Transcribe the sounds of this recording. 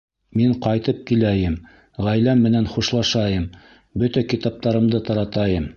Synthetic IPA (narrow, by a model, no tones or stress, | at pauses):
miɴqɑjt̪ɤp̚kilæjɘm | ʁæjlæmːɘ̆nænχuʃlˠɑʃɑjɤm | bɵt̪ækit̪ɑp̚t̪ɑɾɤ̆md̪ɤt̪ɑɾɑt̪ɑjɤm